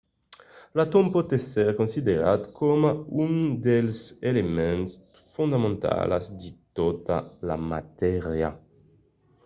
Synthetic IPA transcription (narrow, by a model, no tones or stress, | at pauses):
lat̪ompɔt̪ɛsɛɾkonsid̪eɾat̪kʰɔmaund̪elselemɛ̃ns | fund̪amẽnt̪a̰la̰zd̪it̪ot̪a̰la̰mat̪ɛʁja